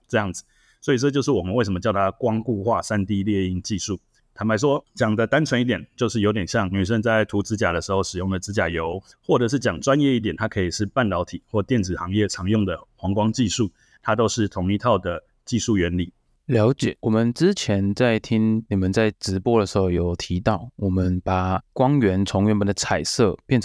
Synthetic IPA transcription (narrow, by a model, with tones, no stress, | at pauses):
ʈ͡ʂɤ˥˧jɑ˥˩ŋd͡zɹ̩˨˩ | swɔ˧˥i˨˩ʈ͡ʂɤ˥˧t͡ɕjo˥˧ʊʂ̬̩˥˩wɔ˨˩mə˨nwe˥˩ɪʂə˧˦mə˧t͡ɕjɑ˥˩ʊt̪ʰa˥kwɑ˥ŋku˥˧xwa˥˧sa˥nt̪i˥˧ljɛ˥˧i˥˩ŋt͡ɕi˥˧ʂu˥˩ | t̪ʰa˧˥mpa˧ɪʂ̬wɔ˦t͡ɕjɑ˨˩ŋd̪ə˦t̪a˥nt͡sʰwə˧˥ni˥˩t̪jɛ˨˩nt͡ɕjo˥˧ʊʂɻ̩˥˩jo˧˥ʊt̪jɛ˨˩nɕjɑ˥˨ŋny˨˩ʂ̬ə˥nt͡sa˥˩ɪt̪ʰu˧˥t͡sɹ̩˥t͡ɕja˨˩d̪ə˩ʂɻ̩˧˥xo˥˩ʊʂɻ̩˨˩jʊ˥˩ŋd̪ə˩t͡sɹ̩˥t͡ɕja˨˩jo˧˥ʊ | xwɔ˥˩ʈ͡ʂɤ˨˩ʂ̬̩˥˩t͡ɕjɑ˨˩ŋʈ͡ʂwa˥˦njɛ˥˧i˥t̪̬jɛ˨˩nt̪ʰa˥kʰɤ˧˥i˨˩ʂɻ̩˥˧pa˥˩nt̪ɑ˧˥ʊt̪ʰi˨˩˦xwɔ˥˩t̪jɛ˥˩nt͡sɹ̩˨˩xɑ˧˥ŋjɛ˥˩t͡sʰɑ˧˥ŋjʊ˥˩ŋd̪ə˩xwɑ˧˥ŋkwɑ˥ŋt͡ɕi˥˧ʂu˥˩ | t̪ʰa˥t̪o˥ʊʂɻ̩˥˩t̪ʰʊ˧˥ŋi˧˥t̪ʰɑ˥˩ʊd̪ə˩ | t͡ɕi˥˧ʂu˥˩ɥɛ˧˥nli˨˩˦ | ljɑ˧˥ʊt͡ɕjɛ˨˩wɔ˨˩mə˨˦nʈ͡ʂɻ̩˦t͡ɕʰjɛ˧˥nt͡sa˥˩ɪt̪ʰi˥ŋni˨˩mə˨˦nt͡sa˥˩ɪʈ͡ʂɻ̩˧˥pwɔ˥d̪ə˨˩ʂɻ̩˧˥xo˥˧ʊjo˨˩ʊt̪ʰi˧˥t̪ɑ˥˩ʊwɔ˨˩mə˦npa˨˩kwɑ˥ŋɥɛ˧˥nt͡sʰʊ˧˥ŋɥɛ˧˥npə˨˩nd̪ə˦t͡sʰa˨˩ɪsɤ˥˧pjɛ˥˩nʰ